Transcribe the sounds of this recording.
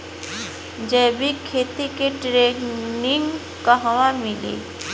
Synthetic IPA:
d͡ʒɛːbʱikʰeːt̪ikeʈɾenɪŋ | kəɦʋãmɪlḛ

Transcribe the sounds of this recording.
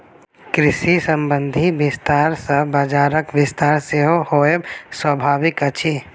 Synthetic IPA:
kɾɪʃisə̃mbə̃nd̪ʱiʋɪst̪aːɾsəbəd͡ʒaːɾəkʋɪst̪aːɾseɦohoːjəbswəbʱaːʋɪkət͡ʃʰe

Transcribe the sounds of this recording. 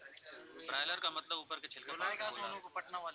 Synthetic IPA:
bɾaːɪləɾkamət̪ləbuːpəɾket͡ʃʰɪlkeaːɡaːsnõkopəʈnaʋaːl

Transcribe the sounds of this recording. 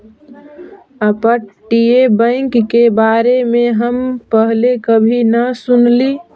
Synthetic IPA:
əpəʈiebə̃ɪŋkːebaːɾemẽɦəmpəɦlekəbʱinəsʊnliː

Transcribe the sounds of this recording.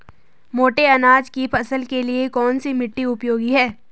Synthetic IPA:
moːʈeɐnaːd͡ʒkipʰɐsəlkeliekɔːnsimɪʈːiʊpjoːɡiɦɛː

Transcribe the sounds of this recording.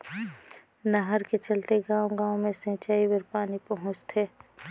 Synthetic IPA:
nəɦəɾket͡ʃɐlt̪eɡãːõɡãːõmẽsə̃t͡ʃaːibəɾpaːnipɐɦʊ̃t͡ʃt̪ʰeː

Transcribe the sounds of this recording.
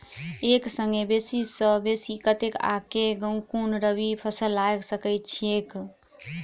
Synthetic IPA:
eksəŋɡebesisəbesikət̪eka̰keɡəŋkunɾəbipʰəsəlːajksəkəɪt̪̚t͡ʃʰiek

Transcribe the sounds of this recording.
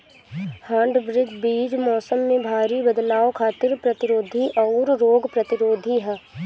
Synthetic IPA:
hãːɳɖʋɾɪd̪ʱbiːd͡ʒmɔːsəmːẽbʱaːɾibəd̪laːokʰaːt̪ɪɾpɾɐt̪ɪɾoːd̪ʱiʔɔːɾːoːɡpɾɐt̪ɪɾoːd̪ʱiɦɛː

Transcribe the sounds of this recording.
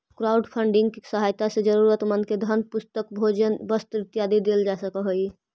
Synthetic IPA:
kɾaʊɖpʰəɳɖɪ̃ŋɡkisəɦajt̪ased͡ʒəɾuɾət̪mənked̪ʱənpʊst̪əkbʱod͡ʒənbəst̪ɾɪt̪jad̪ʱid̪eld͡ʒasəkəɦoi

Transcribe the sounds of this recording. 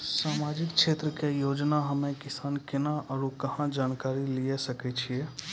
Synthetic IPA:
samad͡ʒikt͡ʃʰet̪ɾəkejod͡ʒnaɦəmekisankenaʔəɾukəɦãd͡ʒankaɾiliesəkɛt͡ʃʰije

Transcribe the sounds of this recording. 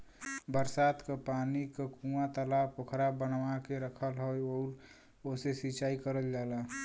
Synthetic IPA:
bəɾsaːt̪kapaːnikakũat̪əlaːpʰokʰɾabənʋakeɾəkʰəlɦojoːɾ | osesit͡ʃaːikəɾəld͡ʒala

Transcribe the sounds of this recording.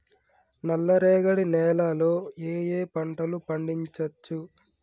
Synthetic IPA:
nɐlːɐɾɛːɡɐɽinɛːlaːloːeːjeːpɐɳʈɐlupɐɳɖiɲt͡ʃɐt͡ʃːu

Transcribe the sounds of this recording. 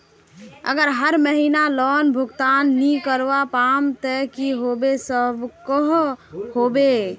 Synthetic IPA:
ə̰ɡəɾɦəɾməɦinalɔnbʱuɡt̪anːikəɾʋapamt̪əkiɦobesəbkəɦhobe

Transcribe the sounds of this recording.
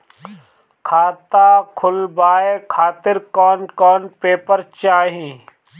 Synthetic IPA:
kʰaːt̪aːkʰʊlbaːekʰaːt̪ɪɾkɔːnkɔːnpeːpəɾt͡ʃaːɦĩː

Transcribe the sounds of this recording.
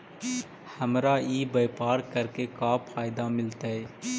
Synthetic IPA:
hɐmɾaiːbeːpaːɾkəɾkekaːpʰaːɪd̪amɪlt̪aɦɛː

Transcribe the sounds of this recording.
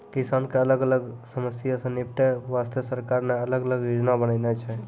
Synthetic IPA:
kisankeələɡələɡsəməsjasə̃nip̚ʈeʋast̪əsəɾkaɾmeələɡələɡʋid͡ʒnabənənɛt͡ʃʰɛ

